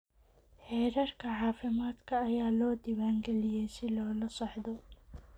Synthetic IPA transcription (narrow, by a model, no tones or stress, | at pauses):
ħɛːɾɐrkʰɐħɑːfɪmaːd̪kʰɐːjaːlɔːd̪ɪwaːŋɡɛlɪjɛjsɪlɔːlɐsɐħd̪ɔ